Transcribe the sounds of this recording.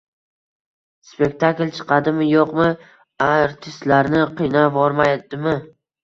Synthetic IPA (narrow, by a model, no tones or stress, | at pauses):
spe̞k̚t̪ʰaklt͡ʃʰɨ̥qʰɑd̪ɪmɪjoqmɪ | aɾt̪ʰɪst̪laɾnɪqʰijnavɒɾmajd̪̥ɪmɪ